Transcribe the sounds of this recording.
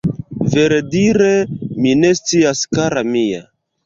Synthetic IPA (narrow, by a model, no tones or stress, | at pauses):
ve̞ɾediɾe̞mine̞st͡siaskaɾamija̰